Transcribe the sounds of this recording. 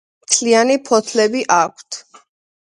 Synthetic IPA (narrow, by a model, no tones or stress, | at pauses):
mt̪ʰlianipʰɔt̪ʰlɛbiʔak̚ʷʰt̪ʰ